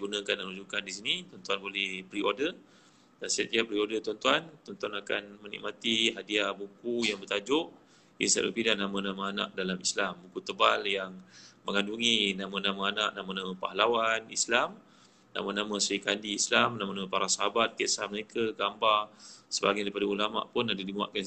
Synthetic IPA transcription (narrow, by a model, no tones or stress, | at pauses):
ɡunə̃kanalud͡ʒukandisinit̪ɔnt̪uanbolɛhpəɾiodə | dansəjat̪iap̚əɾiodət̪ɔnt̪uant̪ɔnt̪uanaka̰nmənḭʔ̚mʔat̪iɦadiahbukujaŋbərt̪ad͡ʒʊʔ | ḭnsa̰bə̰pidanamãnamaana̰ʔ̚dalamislambukut̪əbaljaŋməŋanduŋinamanãmaanaʔ̚namanãmapa̰halawanḭslam | na̰manãmãsikandiislamnamanamapaɾasaɦabat̪̚kesahməɾekʰaɡambasəba̰ɡajdaipadaulama̰ʔpʊnadadimua̰ʔ̪̚kan